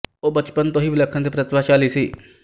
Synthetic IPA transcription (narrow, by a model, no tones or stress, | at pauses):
oːbət͡ʃpənt̪õːɦiːʋɪləkʰːənd̪eːpɾət̪ɪʋaːt͡ʃaːliːsiː